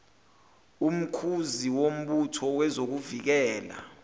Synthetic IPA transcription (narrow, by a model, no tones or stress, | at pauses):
um̩kʰuziwom̩ɓutʰɔwɛzok̬uvik̬ɛːla̰